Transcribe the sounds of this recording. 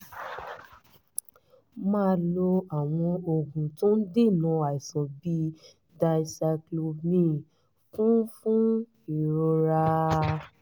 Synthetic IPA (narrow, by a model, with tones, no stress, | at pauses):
mãː˦lo˧a˨w̃ɔ̃˧o˧ɡũ˨tõ˦n̩˦de˦˨mɔ̃˨˧a˨i˨sɔ̃˨bi˧˦ | da˧jsɛ˧klo˧mĩ˦ | fũ˦fũ˦ | i˨ɾo˧ɾa˧